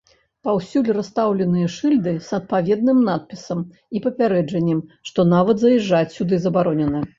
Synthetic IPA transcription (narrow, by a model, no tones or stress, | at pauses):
pawsʲulʲrast̪awlʲɛnɨjɐʂɨlʲd̪ɨsɐt̪̚pavʲɛd̪nɨmnat̪̚pʲisɐm | ipɐpʲaɾɛd͡ʐɐnʲːɛmʂt̪ɔnavɐd̪zɐjɛʐːat͡sʲsʲud̪ɨzɐbaɾɔnʲɛnɐ